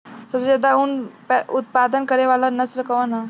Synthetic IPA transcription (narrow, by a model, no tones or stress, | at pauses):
səɾd͡ʑɛd̪auːnpɛut̪̚pad̪ənkəɾeʋalanəslkəʋana